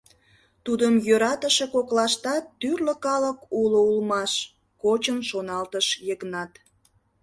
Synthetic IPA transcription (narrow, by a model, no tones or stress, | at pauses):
t̪ud̪əmjøɾɑt̪əʃekoklɑʃt̪ɑt̪ːyrlə̆kɑləkuloulmɑʃ | kot͡ɕənʃonɑlt̪əʃjeknɑt̪